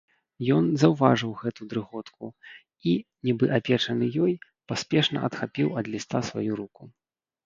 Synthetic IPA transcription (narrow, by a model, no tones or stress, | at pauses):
jɔnzɐwvaʐɨwɣɛt̪ud̪ɾɨɣɔt̪kʰu | inʲibɨʔapʲɛt͡ʂɐnɨjɔj | pasʲpʲɛʂnɐ̰ʔɐt̪xapʲiwɐd̪lʲist̪asva̰juɾuku